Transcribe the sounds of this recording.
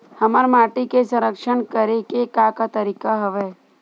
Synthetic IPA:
həməɾmaːʈikesə̃ɾəkʃəɳkəɾekekakat̪əɾiːkaɦɐʋeː

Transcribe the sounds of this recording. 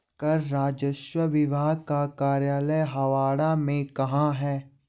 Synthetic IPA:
kɐɾːaːd͡ʒəʃwəʋɪʋʱaːɡ̚kakaːɾjaːləjɦɐʋaːɽamẽkɐɦãɦɛː

